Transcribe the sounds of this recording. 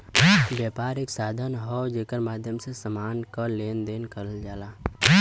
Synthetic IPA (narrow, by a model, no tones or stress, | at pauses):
bjaːpaːɾeːksaːd̪ʱənɦɔd͡ʒekəɾmaːd̪ʱjəmsesəmaːnkaleːnd̪eːnkəɾəld͡ʒaːlaː